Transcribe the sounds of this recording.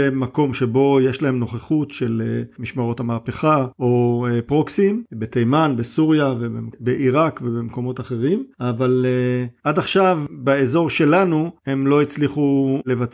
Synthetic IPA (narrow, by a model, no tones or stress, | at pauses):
emako̞mʃebo̞je̞ʃlahe̞mno̞χeχutʃe̞lemiʃmaʁo̞thamaːpeχao̞pʁoksimbet̪ejmanbesuʁjavebḛmbeʔiʁakvebemko̞mo̞taχe̞ʁimavaleadaχʃavbaezo̞ʁʃe̞lanue̞mlo̞it͡sliχule̞vat͡s